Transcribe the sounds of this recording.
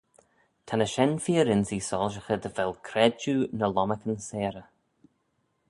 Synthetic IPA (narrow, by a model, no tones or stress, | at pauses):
t̪ʰanəʃɛnfiːɾɪnsiːsɔlʒəxəd̪əvɛlkʰɾɛd͡ʒunəlɔməkənsɛːɾə